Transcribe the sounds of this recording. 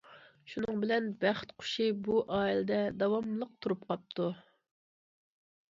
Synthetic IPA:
ʃunɨŋbɪlɛnbæχt̪qʰʊ̥ʃibuʔɑːilɨd̪ɛd̪ɑwɑmlˠəq̚t̪ʰuɾup̚qʰɑp̚t̪ʰu

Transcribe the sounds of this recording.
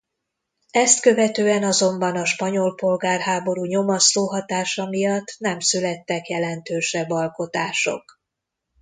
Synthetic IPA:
ɛst̪kø̞vɛt̪øːɛnɒzo̞mbɒnɒʃpɒɲo̞lpo̞lɡaːrɦaːbo̞ɾuːɲo̞mɒsloːɦɒt̪aːʃɒmijɒt̪ːnɛmsylɛt̪ːɛkjɛlɛnt̪øːʃɛbːɒlko̞t̪aːʃo̞̰k

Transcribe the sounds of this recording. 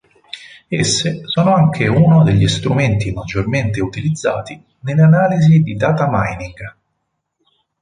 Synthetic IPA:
esːesɔːnoaŋk̟ʰeunod̪eʎːist̪ɾument̪imad͡ʒːorment̪eut̪ilid̪zːaːt̪i | neleanaːlizid̪id̪aːt̪amajniŋɡ

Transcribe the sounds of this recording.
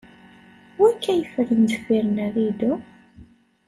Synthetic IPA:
wækːæjəfəɾənzə̥kʷːiɾənæðid̪ʊ

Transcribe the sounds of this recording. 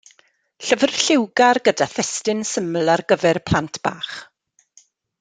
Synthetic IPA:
ɬəvərɬɪwɡarɡədaθɛstɪnsəmlˠarɡəvɛrpʰl̥antʰb̥a̰ːχ

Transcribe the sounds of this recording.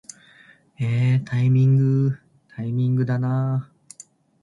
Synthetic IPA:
eːt̪ʰaimʲĩŋɡɯ | t̪ʰaimʲĩŋɡɯ̟d̪anaː

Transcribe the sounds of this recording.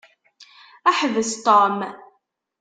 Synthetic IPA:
æħvəst̪ˤom

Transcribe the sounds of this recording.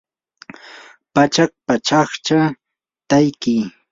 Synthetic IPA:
pat͡ʃak̚pat͡ʃɑχt͡ʃa | t̪ajkɪ

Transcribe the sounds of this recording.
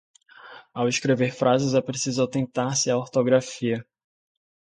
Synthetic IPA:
awɪskɾeveɾfɾʔazɪzɛpɾesizawt̪ẽnt̪aɾsɪaoɾt̪oɡɾafiɐ

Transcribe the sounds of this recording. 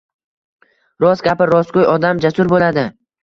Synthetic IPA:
ɾɒzɡʲapɪɾɒskojɒd̪amd͡ʒasʊɾbolad̪ɪ

